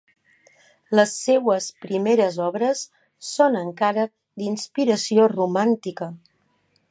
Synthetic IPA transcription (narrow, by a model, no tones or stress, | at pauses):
ləsːewəspɾimeɾəzɔβɾəsː | onəŋkaɾə | d̪inspiɾəsiorumant̪ikə